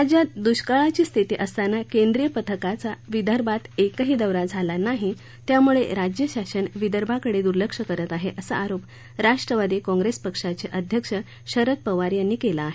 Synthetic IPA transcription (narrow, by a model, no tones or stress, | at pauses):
ɾad͡ʑjad̪uɕkaɭat͡ɕiːst̪ʰit̪iːʔəst̪anːakend̪ɾijəpət̪ʰəkat͡saʋid̪ʱəɾbʱat̪ekəɦiːd̪əʋɾad͡zʱalanaɦi | t̪jamuɭḛɾad͡ʑjəɕaɕənʋid̪ʱəɾbʱakəɽed̪uɾləkʂəkəɾət̪aɦeʔəsa̰ʔaɾop | ɾaʂʈɾəʋad̪ikɔ̃ŋɡɾespəkʂat͡ɕeʔəd̪ʱjəkʂə | ɕəɾət̪̚pəʋaɾjanːiːkelaːɦe